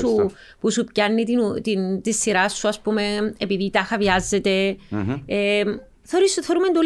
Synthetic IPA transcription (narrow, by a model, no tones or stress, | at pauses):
u | pusupcɐnːit̪inut̪int̪isːiɾɐsːuɐspume̞epiðit̪ɐxɐvɐzːe̞t̪e̞ | e | θeoɾisθoɾumend̪ol